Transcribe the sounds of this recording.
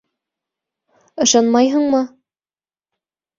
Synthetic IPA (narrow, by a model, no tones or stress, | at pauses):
ɤ̆ʃɑnmɑjɦɤ̆ɴmɤ